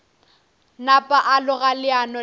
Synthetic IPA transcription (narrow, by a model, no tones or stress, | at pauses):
napʼaʔalʊɣalɪanɔ